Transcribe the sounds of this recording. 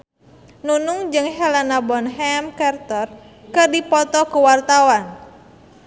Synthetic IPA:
nunuŋd͡ʒɨŋɦɛlanabɔnɦɛmkart̪ɔr | kɨrdipɔt̪ɔkuwart̪awan

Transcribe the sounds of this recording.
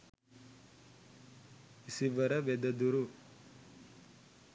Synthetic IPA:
isiʋɐɾɐʋed̪ɐd̪uɾu

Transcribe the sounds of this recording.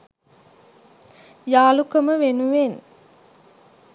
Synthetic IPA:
jaːlukəməʋenuʋen

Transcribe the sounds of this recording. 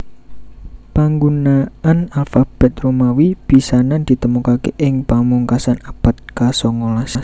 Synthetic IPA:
paŋɡunaanalfab̥ɛt̪̚romawib̥isanand̪̥i̤t̪əmukakḛʔɪŋpamuŋkasanab̥ə̤t̪̚kasɔŋolasa

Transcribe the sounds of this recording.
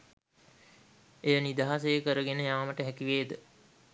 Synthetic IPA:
ejənid̪aɦas̬əjəkəɾəɡenəjaːməʈəɦækiʋeːd̪ə

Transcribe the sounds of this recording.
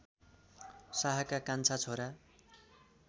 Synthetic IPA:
saɦakakant͡sʰat͡sʰoɾa

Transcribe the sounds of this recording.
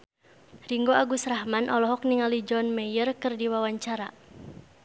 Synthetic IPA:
riŋɡoaɡusrahmanʔɔlɔɦɔk̚niŋalid͡ʒɔnmɛjərkɨrdiwawaɲt͡ʃaɾa

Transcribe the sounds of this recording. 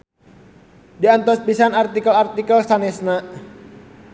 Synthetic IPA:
diant̪ɔspisanart̪ikəlart̪ikəlsanɛsnaʔ

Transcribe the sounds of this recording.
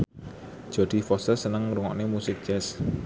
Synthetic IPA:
d̥ʒ̥o̤d̪̥i̤fɔsəsənəŋɾuŋɔ̰ʔnemusɪk̚d̥ʒ̥ɛs

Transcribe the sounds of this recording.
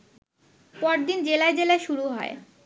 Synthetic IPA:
pɔɾd̪ind͡ʑelaed͡ʑelaeʃuɾuɦɔ̰e

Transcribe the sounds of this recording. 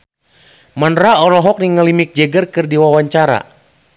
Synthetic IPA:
manraɔlɔɦɔk̚niŋəlimik̚d͡ʒɛɡərkɨrdiwawaɲt͡ʃaɾa̰

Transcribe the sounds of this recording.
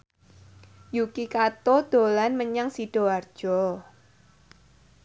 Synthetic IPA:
jukikat̪od̪̥o̤lanməɲaŋsiɖ̥ɔ̤ard̥ʒ̥ɔ

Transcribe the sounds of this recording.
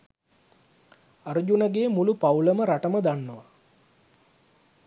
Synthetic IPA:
aɾud͡ʒunəɡeːmulupawləməɾaʈəməd̪anːəʋa

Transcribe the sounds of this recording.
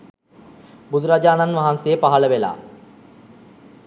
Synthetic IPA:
bud̪uɾad͡ʒaːnanʋaɦansejəpaɦələʋela̰ː

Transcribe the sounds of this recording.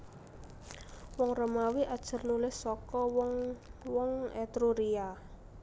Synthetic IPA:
wɔŋrəmawiʔad̥ʒ̥ə̤rnulɪhsɔkɔwɔŋwɔŋɛt̪ɾuɾia

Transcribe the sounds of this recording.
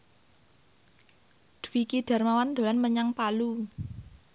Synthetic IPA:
d̪̥wikiɖ̥ä̤rmawand̪o̤lanməɲaŋpalu

